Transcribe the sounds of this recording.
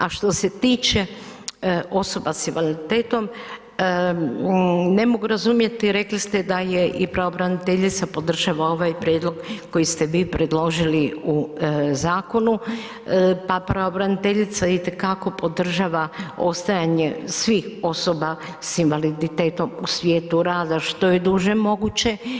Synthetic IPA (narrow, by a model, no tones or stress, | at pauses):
aʃt̪o̞se̞t̪iːt͡ʃe̞ | o̞so̞basinʋalid̪it̪eːt̪o̞m | ne̞mo̞ɡuɾazumje̞t̪iɾe̞klist̪ed̪ajeʔipɾaobɾanit̪eʎit̪sapo̞d̪r̩ʒaʋao̞ʋajpɾjed̪lo̞ɡko̞jist̪e̞ʋiːpɾe̞d̪lo̞ʒiliuzaːko̞nu | papɾaobɾanit̪eʎit̪sait̪e̞kako̞po̞d̪r̩ʒaːʋao̞̰st̪ajaɲesʋixo̞soba | sinʋalid̪it̪eːt̪o̞musʋjeːt̪uɾaːd̪aʃt̪o̞jed̪uʒemo̞ɡut͡ɕe̞